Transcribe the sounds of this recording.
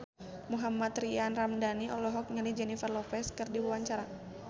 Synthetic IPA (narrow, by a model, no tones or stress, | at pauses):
muɦamat̪rianramdaniʔɔlɔɦɔk̚ɲanid͡ʒɛnifarlɔfɛskɨrdiwuwaɲt͡ʃaɾa